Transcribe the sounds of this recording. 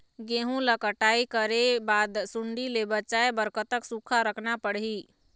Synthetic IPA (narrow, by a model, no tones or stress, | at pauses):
ɡẽːɦũləkəʈaːikəɾebaːd̪sʊ̃ɳɖilebət͡ʃaːebəɾkət̪əksuːkʰaɾəkʰnapəɽɦi